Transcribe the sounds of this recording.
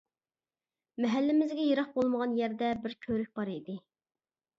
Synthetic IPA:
mɛɦælːɪmɪzɡʲɛjeɾɑχ̚bolˠməʁɑnjæɾd̪ɛbɪɾkʲʰøɾyk̚ʲb̥ɑɾid̪ɪ

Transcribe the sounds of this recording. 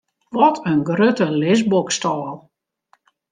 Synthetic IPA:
ʋɔtʰənɡrøtəlɪsbokstɔːlˠ

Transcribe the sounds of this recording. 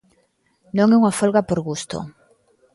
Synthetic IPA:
nõŋɛuŋafolɣapoɾɣust̪o̰

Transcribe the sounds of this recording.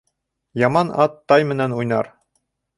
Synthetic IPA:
jɑmɑnɑt̪ːɑjmɘ̆nænujnɑ̰ɾ

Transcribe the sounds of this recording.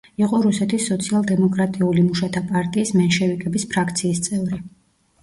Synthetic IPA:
iqʼɔɾusɛt̪ʰisːɔt̪sʰialˠd̪ɛmɔkʼɾat̪ʼiulimuʃat̪ʰapʼaɾt̪ʼiːsmɛnʃɛvikʼɛbispʰɾakʰt̪sʰiːst̪sʼɛvɾi

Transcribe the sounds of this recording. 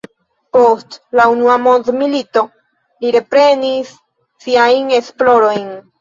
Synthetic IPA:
po̞stlaunuamo̞ndmilito̞ | liɾe̞pɾe̞nisː | iajne̞splo̞ɾo̞jn

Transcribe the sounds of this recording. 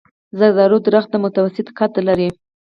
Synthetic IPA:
zaɾd̪ɑɾod̪ɾax̚d̪əmʊt̪awasɪt̪kat̪laɾi

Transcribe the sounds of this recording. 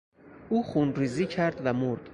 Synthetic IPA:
uːχunɾiːziːcʰæɾd̪væmoɾd̪̥

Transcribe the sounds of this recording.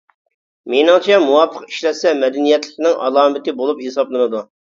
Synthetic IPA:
menɪŋt͡ʃʰɛmuwɑpʰːəqi̥ʃlɛt̪sɛmɛd̪ɛnijɛt̪lɪkʲnɪŋʔɑ̰lˠɑːmɪt̪ɪbolˠuphesɑblˠɨnɨd̪u

